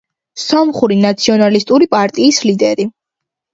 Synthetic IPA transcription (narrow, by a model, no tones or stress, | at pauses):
sɔmχuɾinat̪sʰiɔnalist̪ʼuɾipʼaɾt̪ʼiːslid̪ɛɾi